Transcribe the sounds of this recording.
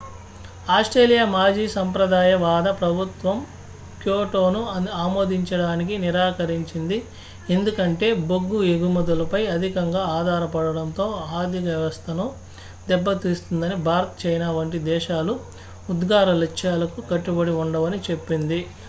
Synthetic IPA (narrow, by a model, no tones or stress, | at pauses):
aːsʈɾeːlijamaːd͡ʒiːsɐmpɾɐd̪aːjɐʋaːd̪ɐpɾɐbʱut̪ʋɐm | kjoːʈoːnuaːmo̞ːd̪iɲt͡ʃɐɽaːnik̬iniɾaːkɐɾiɲt͡ʃind̪i | end̪ukɐɳʈe̞ːboɡːueɡumɔd̪ɐlɐpɐjɐd̪ʱikɐŋɡaːaːd̪ʱaːɾɐpɐɽɐɽɐnt̪o̞ːaːd̪ʱikjɐʋɐst̪ʰɐnu | d̪ɛbːɐt̪iːst̪und̪ɐnibʱaːɾɐt̪ɐ̥t͡ʃɐjnaːʋɐɳʈ̬id̪ɛːʃaːluː | d̪ɡaːɾɐlɐkʃaːlɐkukɐʈːubɐɽiuɳɖɐʋɐnit͡ʃe̞pːind̪i